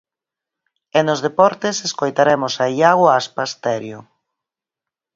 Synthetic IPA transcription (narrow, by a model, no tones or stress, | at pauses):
enozðepɔɾt̪eseskojt̪aɾɛmosaiaɣwaspast̪ɛɾjʊ